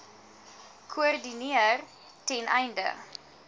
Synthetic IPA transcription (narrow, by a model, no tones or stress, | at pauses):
kʰoərdiniər | tɛnʔɛjndə̰